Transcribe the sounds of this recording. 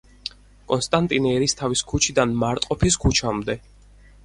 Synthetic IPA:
kʼɔnst̪ʼant̪ʼinɛɾist̪ʰaviskʰut͡ʃʰid̪anmaɾt̪ʼqʼɔpʰiskʰut͡ʃʰamd̪ɛ

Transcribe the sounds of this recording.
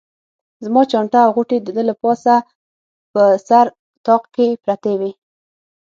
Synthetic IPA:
zmɑt͡ʃɑɳʈaːwɣuʈed̪əd̪əlapɑsa | pəsaɾ | t̪ɑqkepɾat̪ewe

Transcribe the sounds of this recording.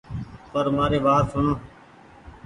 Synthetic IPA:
pəɾmaːɾeːʋaːt̪sʊɳõː

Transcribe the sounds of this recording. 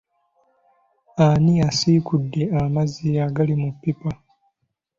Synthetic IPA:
aniasiːkudːe̞amaziaɡalimupːipa

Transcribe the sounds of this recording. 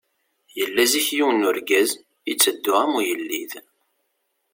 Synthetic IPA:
jəlːæziçjiwənːuɾɡæz | ət͡sːəd̪ːʊæmujəlːið

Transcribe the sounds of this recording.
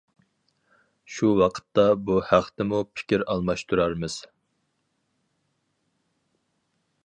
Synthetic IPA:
ʃuwɑqʰə̥t̪ːɑbuhæχt̪ɪmupʰɪ̥kʲiɾɑlˠmɑʃt̪ʰuɾɑɾmɨz̥

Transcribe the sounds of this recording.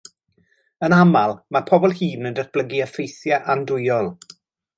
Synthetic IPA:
ənamalˠmapʰɔbɔlˠhiːnəndətb̥ləɡiəfejsjaʔandʊjɔlˠ

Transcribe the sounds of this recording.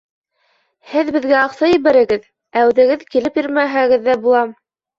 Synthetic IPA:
hɘðbɘ̆ðɡæɑqsɑjiβæɾɘ̆ɡɘð | æwðɘ̆ɡɘðkilɘpjiɾmæɦæɡɘðːæbulˠɑm

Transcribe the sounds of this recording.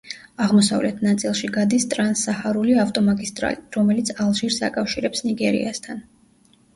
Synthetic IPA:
aʁmɔsa̰vlɛt̪ʰnat̪sʼilˠʃiɡad̪ist̪ʼɾansahaɾuliaft̪ʼɔmaɡist̪ʼɾa̰liɾɔmɛlit̪sʰalˠʒiɾsa̰kʼafʃiɾɛpsniɡɛɾḭast̪ʰan

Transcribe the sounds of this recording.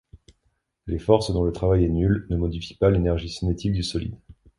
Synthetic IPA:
lefɔʁsd̪ɔ̃lət̪χavajɛnylnəmɔd̪ifi̥palenɛʁʒisinet̪ʰik̚d̪ysɔlḭd̪

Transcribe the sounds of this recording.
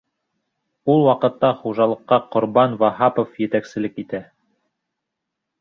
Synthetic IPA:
ulˠwɑqɤ̆t̪ːɑχuʒɑlˠɤ̆qːɑqŏɾbɑnvɑɦɑpofjɘ̆t̪æksɘ̆lɘkit̪æ

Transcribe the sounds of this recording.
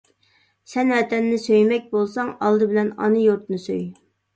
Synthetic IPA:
sɛnwɛt̪ʰɛnːɪsøjmɛk̚ʲbolˠsɑŋɑlˠd̪ɨbɪlɛnɑ̰nɨjoɾt̪nɨsøj

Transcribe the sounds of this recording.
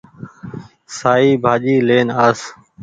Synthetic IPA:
saːiːbʱaːʄiːleːnaːs

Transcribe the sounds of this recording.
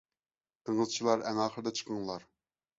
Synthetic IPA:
t̪ʰəŋəzt͡ʃʰilˠɑɾɛŋɑːχəɾd̪ɑt͡ʃʰə̥qʰəŋlˠɑɾ

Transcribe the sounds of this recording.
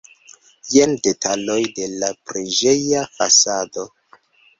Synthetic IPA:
jende̞tʰalo̞jde̞lapɾiʒe̞jafa̰sado̞

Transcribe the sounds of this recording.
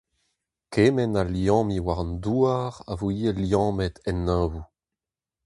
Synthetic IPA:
kʰeːmɛnaljɑ̃ːmiwaʁnd̪uːaʁa̰vuiːeljɑ̃ːmɛt̪ɛnːaːvu

